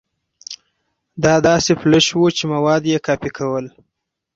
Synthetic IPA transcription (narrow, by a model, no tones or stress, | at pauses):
d̪ɑd̪ɑsepləʃwut͡ʃemawɑd̪jekɑpikʰawəl